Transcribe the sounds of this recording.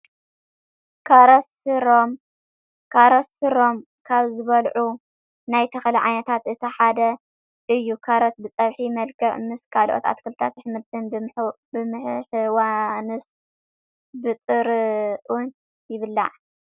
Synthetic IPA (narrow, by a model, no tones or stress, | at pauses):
kʰaɾɐsɨɾom | kʰaɾɐsɨɾo̞m | kʰaβzɨβɐlʕu | najt̪ʰɐxɐlɐʕajnɐt̪ʰat̪ɨt̪ʰɐħad̪ɐ | ʔɨjːukʰaɾɐt̪̚bɨt͡sʼɐβħimɐlkʰɐʕmɨskʰalʔo̰t̪a̰t̪kʰɨlɨt̪ʰat̪ħɨmɨlt̪ʰɨnb | bɨmɨħħɨwanɨs | bɨt͡s̪ʼɨɾʔun | jɪβɨlːa̰ʕ